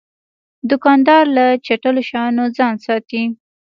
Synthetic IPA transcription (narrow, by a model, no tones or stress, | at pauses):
d̪ʊkɑnd̪ɑɾlat͡ʃaʈəloʃɑnod͡zɑnsɑt̪i